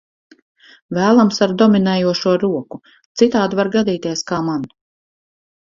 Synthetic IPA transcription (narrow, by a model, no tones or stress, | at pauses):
væːlˠamsaɾd̪ɔminɛːjuɔʃuɔɾuɔku | t̪sit̪aːd̪uvaɾɡad̪iːt̪iɛskaːman